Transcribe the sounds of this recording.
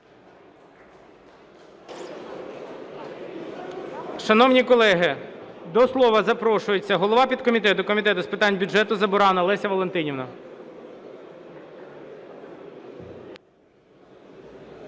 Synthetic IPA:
ʃɐnɔwnʲikɔlˠɛɦɪd̪ɔslˠɔʋɐzɐpɾɔʃʊjet͡sʲːɐɦɔlˠɔʋɑpʲid̪̚kɔmʲit̪ɛt̪ʊkɔmʲit̪ɛt̪ʊspɪt̪ɑnʲbʲʊd͡ʒɛt̪ʊzɐbʊɾɑnɐlˠɛsʲɐʋɔlent̪ɪnʲiʋnɐ

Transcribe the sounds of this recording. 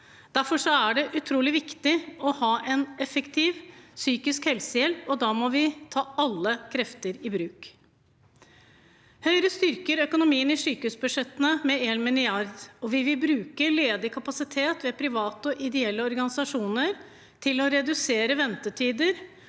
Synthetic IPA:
d̪̥æɾfɔʂɔæɖɛʔʉt̪ʰɾuːlɪʋɪkt̪ɪɔhɑːʔɛnɛfəkt̪ʰɪːʋsyːkɪskhɛlsəjɛlpɔd̪ɑːmɔʋɪt̪ʰɑːɑlːəkʰɾɛft̪əɾɪbɾʉːk | hœʏɾəst̪ʏɾkəɾœkʊnʊmiːənɪsyːkəhʉːsbʉd̪ʂɛt̪ːənəmɛeːlmɪnɪɑɾd̪ɔʋɪʋɪlbɾʉːkəleːd̪ɪkʰɑpɑsɪt̪ʰeːt̪ʋɛpʰɾɪʋɑːt̪əɔʔɪd̪ɛɛlːəɔɾɡɑnɪsɑʂuːnəɾ | t̪ʰɪlɔɾɛd̪ʉseːɾəʋɛnt̪ət̪ʰiːd̪əɾ

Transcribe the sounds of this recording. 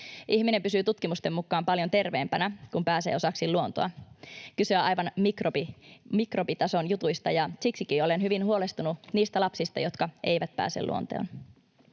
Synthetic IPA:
ʔiçmine̞mpysyːt̪ut̪kimust̪e̞mːukːˑɑːmpɑljo̞nt̪e̞rʋeːmpænækumpæːsḛːo̞sɑksilluo̞nt̪oɑkysøɑjʋɑnmikropimikro̞pit̪ɑso̞njut̪ujst̪ɑjɑsiksikiːo̞le̞nɦyʋinhuo̞lest̪ununiːst̪ælɑpsist̪ɑ̰jo̞t̪kɑe̞̰jʋæt̪̚pæ̰ːsḛlṵont̪o̰ːn

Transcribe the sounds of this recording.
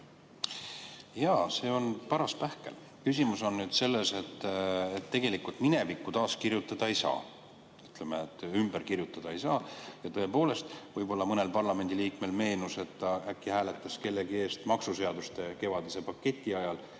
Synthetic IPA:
jɑːse̞ːo̞npɑɾɑspæhke̞̰l | kysʲimuso̞nːyd̪̥se̞lːe̞se̞t̪ːet̪ːe̞ɡ̥e̞likult̪mine̞vikːut̪ɑːskirjut̪ːˑɑd̪̥ɑejsɑ̰ː | yt̪le̞meet̪ːymb̥eɾkirjut̪ːˑɑd̪̥ɑejsɑːjɑt̪ɤ̞e̞po̞ːle̞st̪vɤjbo̞lːɑmɤne̞lpɑrlɑme̞nʲd̪iliːkme̞lme̞ːnuse̞t̪ːɑækːˑihæːle̞t̪ːˑɑske̞lːe̞ɡie̞ːst̪mɑksuse̞ɑd̪ust̪e̞ke̞vɑd̪̥ise̞pɑkːe̞t̪ʲːˑiɑjɑl

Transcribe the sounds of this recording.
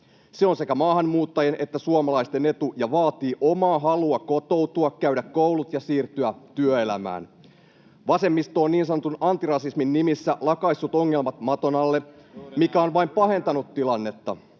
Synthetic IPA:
seo̞nse̞kæmɑːhɑnmuːt̪ːɑjenʔe̞t̪ːæsuomɑlɑist̪e̞ne̞t̪ujɑʋɑːt̪iːʔo̞mɑːɦɑluɑko̞t̪o̞wt̪uɑkkæyɥdækkowlut̪jɑsiːrt̪yæt̪yøe̞læ̰mæ̰ːn | ʋɑse̞mːist̪o̞ːnniːnsɑnot̪unɑnt̪irɑsisminːimisːælɑkɑisːut̪o̞ŋːe̞lmɑt̪mɑt̪o̞nɑlːemikæo̞nʋɑimpɑɦe̞nt̪ɑnut̪tilɑnːe̞t̪ːɑ̰

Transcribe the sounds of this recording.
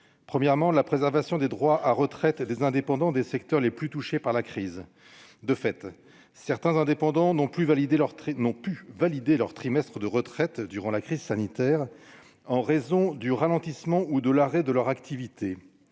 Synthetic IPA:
pχəmjɛʁmɑ̃lapχezɛʁvasjɔ̃d̪ed̪ʁwaʔaʁət̪χɛt̪d̪ezɛ̃d̪epɑ̃d̪ɑ̃d̪esɛkt̪œʁleplyt̪uʃepaʁlakχiz | d̪əfɛt̪ | sɛʁt̪ɛ̃zɛ̃d̪epɑ̃d̪ɑ̃nɔ̃plyvalid̪elʁnɔ̃pyvalid̪elœʁt̪χimɛst̪χəd̪əʁət̪χɛt̪d̪yʁɑ̃lakχizsanit̪ɛːʁ | ɑ̃ʁezɔ̃d̪yʁalɑ̃t̪ismɑ̃ud̪əlaʁɛd̪əlœʁakt̪ivit̪ʰe

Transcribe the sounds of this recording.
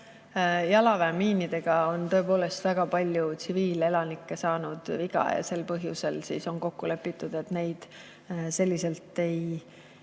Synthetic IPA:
jɑlɑvæmiːnid̪̥e̞ɡ̥ɑo̞nt̪ɤ̞epo̞ːle̞st̪væɡ̥ɑpɑlʲjut̪siviːle̞lɑnikːˑe̞sɑːnud̪̥viɡ̥ɑ̰jɑ̰se̞lpɤɦjṵse̞lsḭːso̞nko̞kːule̞pːˑit̪ːˑud̪̥e̞t̪ne̞jd̪̥ | se̞lʲːise̞lt̪ːˑe̞j

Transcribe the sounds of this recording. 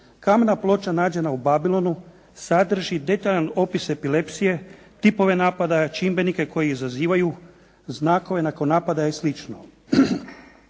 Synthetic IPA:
kamenaplˠo̞t͡ʃanaːd͡ʑe̞naubabilˠo̞nu | sad̪r̩ʒid̪e̞t̪aʎano̞pise̞pile̞psije̞ | t̪ipo̞ʋe̞naːpad̪at͡ʃimbe̞nike̞ko̞jeizaziːʋaju | znaːko̞ʋe̞nako̞nːaːpad̪ajeslit͡ʃno̰

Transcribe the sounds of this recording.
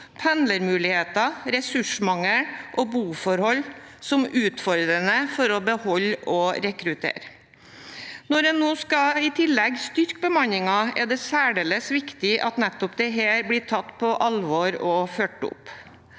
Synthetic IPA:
pʰɛnləɾmʉːlɪheːt̪ɑɾɛsʉʂmɑŋəɾʔɔbuːfɔɾhɔlsɔmʉːt̪fɔɾd̪ɾənəfɔɾɔbəhɔlːɔɾɛkɾʉt̪ʰḛːɾ | nɔɖɛnːoːskɑɪt̪ʰɪlːɛɡst̪ʏɾkbəmɑnɪŋɑɛ̰d̪ɛsæːɖeːləsʋɪkt̪ɪʔɑt̪nɛt̪ːɔpd̪ɛɦeːɾblɪːʈʰɑt̪ːpʰɔʔɑlʋoːɾɔføːʈːəʊ̰p

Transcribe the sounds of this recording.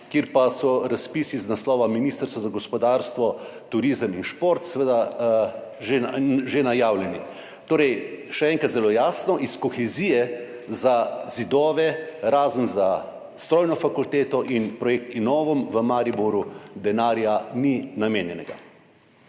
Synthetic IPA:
kjeːɾpasɔɾaspisiznaslɔːʋaminiːst̪əɾsʋɔzaɡɔspɔd̪aːɾst̪ʋɔt̪uɾiːzəminʃpoɾt̪sɛʋed̪a | ʒeʒenajaːwljɛni | t̪oːɾɛjʃɛɛːŋkɾat̪zɛloːjaːsnɔʔiskɔxɛziːjɛ | zazid̪ɔːʋɛɾaːzənza | st̪ɾɔːjnɔfakult̪eːt̪ɔʔinpɾɔjek̚t̪inɔːʋɔmʋəmaːɾibɔɾud̪ɛnaːɾjaninameːnjɛnɛɡa̰

